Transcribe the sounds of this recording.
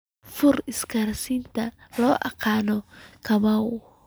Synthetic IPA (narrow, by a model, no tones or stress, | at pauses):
fuɾiskaɾsint̪alɔʔa̰kanɔkamaw